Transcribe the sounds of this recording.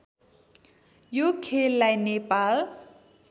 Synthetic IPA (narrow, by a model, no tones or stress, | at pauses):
jokʰelːajnepal